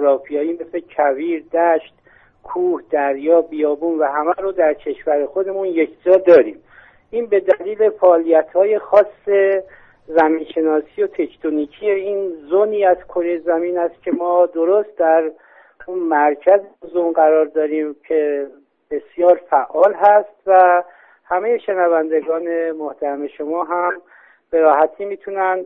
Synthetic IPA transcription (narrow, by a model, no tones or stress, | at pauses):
oɾɒːfijɒːimesecʰæviːɾd̪æʃt̪ | kʰuːhd̪̥æɾjɒːbijɒːbuːnvæɦæmæɾod̪æɾcʰe̞ʃvæɾexo̞d̪e̞munje̞kʰd͡ʒɒːd̪ɒːɾiːm | ʔiːnbe̞d̪æliːle̞fæːlijæt̪hɒːje̞xɒːsːe̞ | zæmiːnʃe̞nɒːsijo̞t̪ʰe̞ct̪ʰonicʰiːjeiːnzoniːæzkʰoɾejzæmiːnæst̪̚cʰe̞mɒːd̪oɾost̪̚d̪æɾ | unmæɾcʰæzeozomɢæɾɒːɾd̪ɒːɾiːmcʰe̞ | b̥e̞sjɒːɾfæʔɒːlɦæst̪væ | hæme̞jeʃe̞nævænd̪e̞ɡɒːne̞moht̪ʰæɾæme̞ʃo̞mɒːɦæm | b̥e̞ɾɒːhæt̪ʰiːmiːt̪ʰunæn